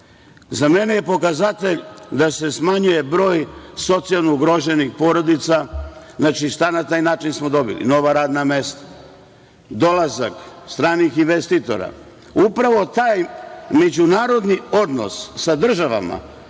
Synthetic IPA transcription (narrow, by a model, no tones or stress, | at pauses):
zame̞neje̞po̞kazat̪e̞ʎd̪ase̞smaɲuje̞bɾo̞ːjso̞t̪sijalˠnouɡɾo̞ʒe̞nixpo̞ɾo̞d̪it̪saznaːt͡ʃist̪anat̪aːjnaːt͡ʃinsmo̞d̪o̞bḭlḭno̞ʋaɾaːd̪name̞st̪ḁ | d̪o̞lˠazakst̪ɾaːnixinʋest̪it̪o̞̰ɾa̰ | upɾaʋo̞t̪aːjme̞d͡ʑunaːɾo̞d̪nio̞d̪no̰sːad̪r̩ʒaʋa̰ma̰